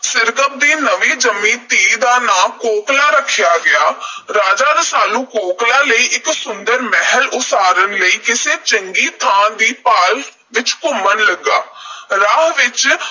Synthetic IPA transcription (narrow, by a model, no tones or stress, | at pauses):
sɪɾɡəb̚d̪iːnəʋiːd͡ʒəmĩːt̪iːd̪aːnaːmkoːklaːɾəkʰːjaːɡɪaːɾaːd͡ʒaːd̪asaːlũːkoːklaːləiːʔɪksʊnd̪əɾmɛɦəlʊsaːɾənləiːkɪseːt͡ʃəŋɡiːt̪ʰãːd̪iːpaːl | ʋɪt͡ʃkʊmənləɡːaːɾaːɦʋɪt͡ʃ